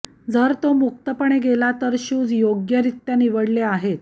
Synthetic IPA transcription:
d͡zəɾt̪omuk̚t̪əpəɳeɡelat̪əɾɕuːd͡zjoɡjəɾit̪janiʋəɽleaɦet̪̚

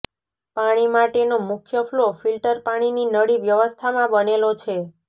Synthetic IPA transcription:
paɽ̃imaʈenomʊkʰjəflofilʈəɾpaɽ̃ininəɽiʋjəʋəst̪ʰamãbənelot͡ʃʰe

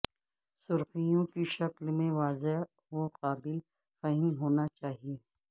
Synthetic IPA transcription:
sʊɾxijõkiʃɐklmẽʋaːze | ʋoqaːbɪl | fɐɦɪmɦoːnat͡ʃaːɦieː

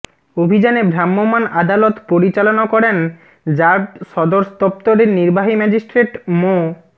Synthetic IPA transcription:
obʱid͡ʑanebʱɾamːomanad̪alot̪poɾit͡ɕalonakɔɾen | d͡ʑaɾbʃɔd̪oɾsd̪ɔp̚t̪oɾeɾniɾbaɦimɛd͡ʑisʈɾeʈmo

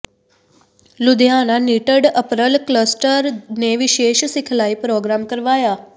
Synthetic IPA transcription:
lʊd̪jananiʈəɖəpɾəlkləsʈəɾneʋɪʃeːʃsɪkʰlaipɾoɡɾamkəɾʋaːja

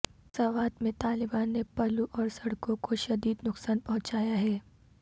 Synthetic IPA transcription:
sɐʋaːt̪mẽt̪aːlɪbaːnːepɐluʔɔːɾsɐɽkõkoʃɐd̪iːd̪nʊksaːnpɐɦʊ̃t͡ʃaːjaɦɛː

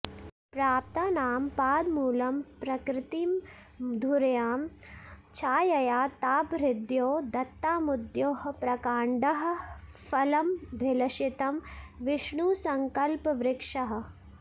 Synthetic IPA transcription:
pɾaːp̚t̪aːnaːmpaːd̪muːlɐmpɾɐkɾɪt̪iːm | d̪ʱuɾɐjaːmt͡ʃʰaːjɐjaːt̪aːpɾɪd̪joːd̪ɐt̪ːaːmud̪joːɦɐ̆pɾɐkaːɳɖɐɦɐ̆ | fʰɐlɐmbʱɪlɐʃit̪ɐmʋɪʂɳusɐŋkɐlpɐʋɾɪkʂɐɦɐ̆

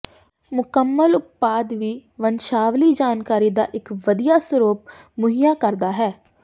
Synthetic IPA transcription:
mʊkəmːəlʊp̪̚paːd̪ʋiːʋənʃaːʋliːd͡ʒaːnkaːɾiːd̪a̰ːʔɪkʋəd̪ijaːsəɾuːp̚ | mʊɦijaːkəɾd̪aːɦɛː

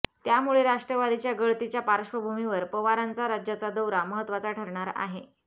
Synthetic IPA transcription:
t̪jamuɭeɾaʂʈɾəʋad̪it͡ɕjaɡəɭt̪it͡ɕjapaɾəʂʋəbʱumiʋəɾpəʋaɾant͡saɾad͡ʑjat͡sad̪əwɾaməɦət̪ːʋat͡saʈʰəɾɳaɾa̰ɦe

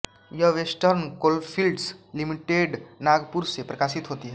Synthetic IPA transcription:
jəɦʋesʈəɾnkoːlpʰilɖslimiʈeɖnaːɡpuɾsepɾəkaːsit̪ɦoːt̪iɦɛː

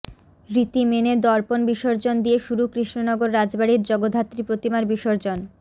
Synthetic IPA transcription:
ɾit̪imened̪ɔɾponbiʃoɾd͡ʑond̪ieʃuɾukɾiʃnonɔɡoɾːad͡ʑbaɽiɾd͡ʑɔɡod̪ʱɦat̪ːɾipɾot̪imaɾbiʃoɾd͡ʑon

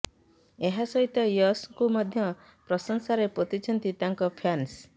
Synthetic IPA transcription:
eɦasɔɦit̪ɔjɔskumad̪ʱjɔ | pɾɔsɔŋsaɾepot̪it͡ʃʰɔnt̪it̪aŋkɔpʰans

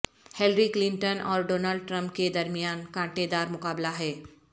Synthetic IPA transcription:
helɾiklɪ̃ɳʈənɔ̰ːɾɖoːnalɖʈɾə̃mp̚ked̪ɐɾmijaːnkãːʈed̪aːɾmʊkaːblaɦɛː

